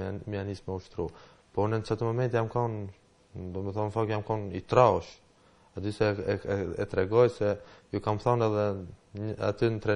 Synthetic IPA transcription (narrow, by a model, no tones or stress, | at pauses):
mianismɛuʃt̪ɾu | pɔnɛnt͡ʃat̪əmɔmɛnt̪jamkɔn | d̪ɔmɛθɔnfɔkjamkɔnit̪ɾaɔʃ | ad̪isɛ | ɛt̪ɾɛɡɔjsɛjukamθɔnɛðɛ | a̰t̪ynt̪ɾɛ